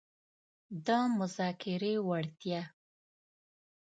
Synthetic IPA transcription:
d̪ɑmʊzɑkɪɾewaɽt̪ja

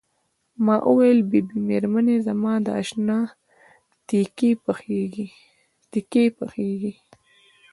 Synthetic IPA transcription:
mɑʔʊwajlbibimeɾmanezamɑd̪əa̰ʃnɑ | t̪ikepaxeɡi | t̪ikepaxeɡi

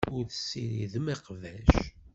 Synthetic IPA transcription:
ʊɾθəsːiɾiðəmiqvæʃ

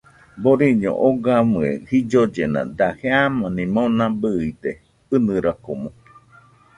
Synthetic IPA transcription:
boɾiɲõ̰ʔoɡamɨḛ̃hid͡ʒod͡ʒenã̰d̪aheamãnĩmõnãbɨid̪e | ɨnɨ̃ɾakomõ

